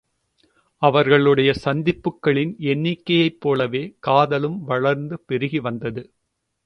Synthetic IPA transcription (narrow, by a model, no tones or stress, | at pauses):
ɐʋɐɾɣɐɭɯɽɐjɐsɐnd̪ɪpːɯkːɐɭɪnɛnːɪkːɐjɐɪpːoːlɐʋeːkaːðɐlɯmʋɐɭɐɾnd̪ɯpɛɾɯɣiʋɐnd̪ɐðɯ